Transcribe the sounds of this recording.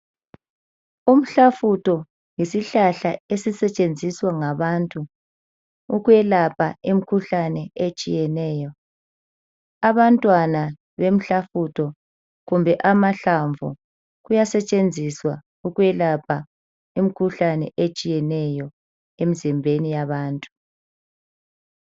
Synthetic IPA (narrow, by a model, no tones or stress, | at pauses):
um̩ɬafutɔ | ŋisiɬaɬaesisɛt͡ʃʼend͡zʱiswaŋaβantʼu | uɣwɛlapʰaem̩kʰuɬanɛet͡ʃʼijɛnɛːjɔ | aβantʼwana | βem̩ɬafutʰɔ | ɣumbʱɛʔamaɬaɱvʱṵ | ɣujasɛt͡ʃʼend͡zʱiswa | uɣwɛlapʰa | emikʰuɬanɛ̰ʔet͡ʃʼijɛnɛjɔ | emizimbʱenijaβaːntʼu